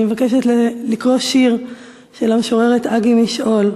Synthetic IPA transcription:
mevakeʃetlelikʁo̞ʃiʁ | ʃe̞lameʃoʁe̞ʁetaɡimiʃʔo̞l

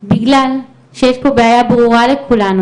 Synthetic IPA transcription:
biɡlal | ʃejeʃpo̞beajabʁuʁalekulanu

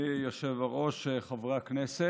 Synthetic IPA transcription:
joʃevaʁo̞ʃeχavʁaknese

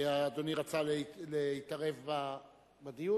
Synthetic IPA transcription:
aːd̪oniʁat͡salleitaʁe̞vba | bad̪iju

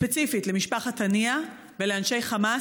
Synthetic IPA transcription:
spet͡sifitlemiʃpaχatania | veleanʃejχama

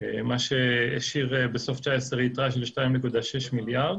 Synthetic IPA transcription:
maʃeeʃiʁbeso̞ft͡ʃaːeseʁit̪ʁaʃelʃtajimnekud̪aʃeʃmiljaʁd̪

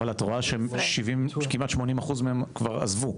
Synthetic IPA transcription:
alat̪oʁaʃeemʃivimkimʔatʃmo̞nimaχuzmeemkvaʁa̰zvu

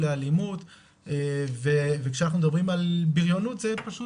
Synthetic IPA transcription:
lealimut̪ | evevekʃeanaχnumed̪abʁimalbiʁjonut̪zepaʃu

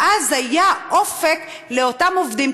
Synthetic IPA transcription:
ʔazhajaʔofek | leotamovd̪im

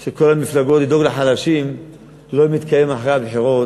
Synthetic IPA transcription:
ʃeko̞lhamiflaɡo̞t̪lid̪o̞ɡlaħalaʃim | lo̞mit̪kʰajemaħʁabħiʁo̞

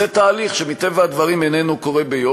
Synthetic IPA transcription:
et̪aːliχʃemit̪evaad̪vɐʁimenenuko̞ʁebejo

